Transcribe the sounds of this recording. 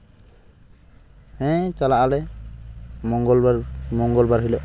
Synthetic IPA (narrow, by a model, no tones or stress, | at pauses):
hɛ̃t͡ʃalaʔalɛ | mɔŋɡɔlmɔŋɡɔlbaɾɦilɔʔ